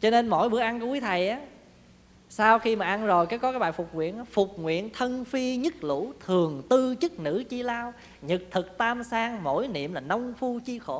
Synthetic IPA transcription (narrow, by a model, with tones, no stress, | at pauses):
t͡ɕɔ˧ne˧nmo̰˧˨jɓɨ˨˦əʔa˧nkwt̪ʰa˨˩jʔaː˨˦ | saː˧wxi˧maː˨˩ʔa˧nzo˨˩jkaː˨˦kɔ˨˦kaː˨˦jɓa̰ː˧˨jfʊ˨˩k͡p̚ŋwḭ˧˨ənɔ˨˦fʊ˨˩k͡p̚ŋwḭ˧˨ənt̪ʰə˧nfi˧ɲɨ˦˥k̚lṵ˧˥t̪ʰɨ˨˩əŋt̪ɨ˧t͡ɕɨ˦˥k̚nɨ̰˧˥t͡ɕi˧laː˧w | ɲɨ˨˩k̚t̪ʰɨ˨˩k̚t̪aː˧msaː˧ŋmo̰˧˥jnḭ˧˨əmlaː˨˩nə˧wŋ͡mfu˧t͡ɕi˧xo˧˩˦